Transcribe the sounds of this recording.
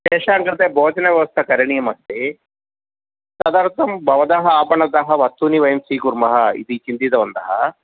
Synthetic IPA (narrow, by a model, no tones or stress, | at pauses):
ʃɛːʂaːŋkɾit̪ebʱoːd͡ʒɐnɐʋjɐʋɐst̪ʰɐkɐɾiɳijɐmɐst̪e | sɐd̪aːɾt̪ɐmbʱɐʋɐd̪aɦɐaːpɐɳɐd̪aɦɐʋɐst̪uniʋɐjɐmsiːkuɾmɐɦɐḭd̪it͡ʃint̪it̪ɐʋɐnd̪ɐ̰ɦɐ̰